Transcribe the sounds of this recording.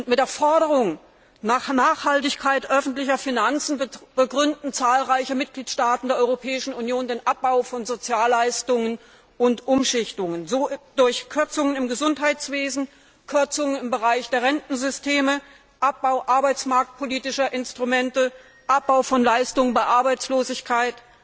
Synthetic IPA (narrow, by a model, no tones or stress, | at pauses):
ʔʊntmɪtd̥eːɐfɔɐɾəʁ̞ʊŋ | naːχnaːχhaltɪçkʰaɪtʔœfn̩tlɪçɐfinant͡sn̩b̥əɡʁʏndn̩t͡saːlʁaɪçəmɪt̚ɡ̥liːtʃtaːtn̩deːɐʔɔʏʁopʰɛːɪʃn̩unjoːndeːnʔap̚b̥aʊfɔnzot͡sjaːlːaɪstʊŋən | ʔʊntʔʊmʃɪçtʊŋənzoːd̥ʊɐçkʰʏɐt͡sʊŋənɪmɡəzʊntɦaɪt͡sv̥eːzn̩ | kʰʏɐt͡sʊŋənɪmbəʁaɪçd̥eːɐʁɛntn̩zʏstʰeːmə | ʔap̚b̥aʊʔaɐbaɪt͡smaɐk̚t̚pʰoliːtɪʃɐʔɪnstʁ̥umɛntə | ʔap̚b̥aʊfɔnlaɪstʊŋənbaɪʔaɐbaɪt͡sloːzɪçkʰaɪt